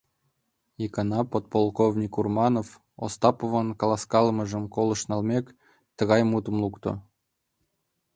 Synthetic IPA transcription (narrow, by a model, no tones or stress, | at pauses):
ikɑnɑpot̪̚polˠkovnʲikurmɑnof | o̰st̪ɑpovɑnkɑlˠɑskɑlˠmɤ̆ʒə̆mkolˠɤ̆ʃnɑlˠmʲek | t̪ə̆ɣɑjmut̪ə̆mlˠukt̪o̰